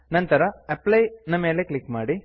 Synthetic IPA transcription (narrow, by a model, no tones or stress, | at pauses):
nɐnt̪ɐɾɐɐplɐjnɐme̞ːleklikmaːɽi